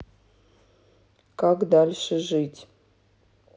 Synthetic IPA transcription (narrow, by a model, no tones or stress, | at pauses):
kakd̪alʲʂɨʒɨtʲ